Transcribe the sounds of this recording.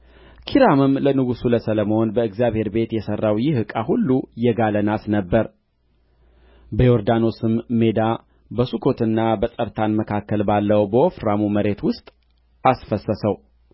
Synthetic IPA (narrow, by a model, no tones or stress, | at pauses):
kʰiɾamɨmlənɨɡusuləsələmo̞nbəɨɡzijaβhe̞ɾbe̞t̪jɛsərːawjɪhɨkʼaɦulːujɛɡalənasnəbːəɾ | bəjoɾd̪ano̞sɨmme̞d̪a | bəsukʰo̞t̪ɨnːabəsʼəɾt̪ʰanməkʰakːəlbalːəwbəofɾamuməɾe̞t̪wʊst̪ʼ | asfəsəsəw